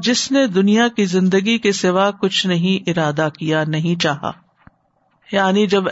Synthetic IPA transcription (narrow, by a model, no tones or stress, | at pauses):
d͡ʒɪsned̪ʊnijakizɪ̃nd̪əɡikesɪʋaːkʊt͡ʃʰnɐɦĩʔɪɾaːd̪akijanɐɦĩt͡ʃaːɦa̰ː | jaːnid͡ʒɐb